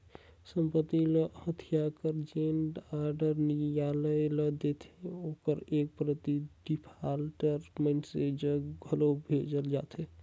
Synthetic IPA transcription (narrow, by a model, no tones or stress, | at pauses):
səmpət̪iləhət̪ʰijakəɾd͡ʒeɳɖaɾɖəɾnijaləjləd̪et̪ʰeokəɾek̚pɾət̪iɖipʰalʈəɾmensed͡ʒəɡʱəlobʱed͡ʒəld͡ʒat̪ʰɦe